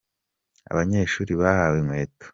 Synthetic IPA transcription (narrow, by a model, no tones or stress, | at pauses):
a̰βaɲe̞ːʃuːɾiβahawemweːto̥